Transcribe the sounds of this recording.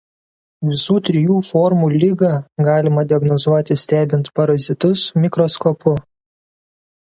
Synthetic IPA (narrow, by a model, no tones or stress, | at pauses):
ʋʲɪsuːt̪ʲɾʲɪjuːfɔɾmuːlʲɪɡɑɡɑːlʲɪmɐd̪ʲɪɐɡnɔzuɔt̪ʲɪsʲt̪ʲæːbʲɪnt̪pɐɾɐzʲɪt̪ʊsmʲɪkɾɔskoːpʊ